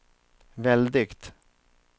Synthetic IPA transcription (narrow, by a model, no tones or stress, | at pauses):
vɛld̪ɪɡt̪